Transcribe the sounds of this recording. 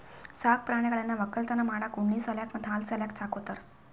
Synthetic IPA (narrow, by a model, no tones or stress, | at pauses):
sak̚pɾaɽ̃akaɭanːaʋəkəlt̪anamaɽakuɳːiːsəljakməd̪ʰalt͡saljak̚t͡sakot̪əɾ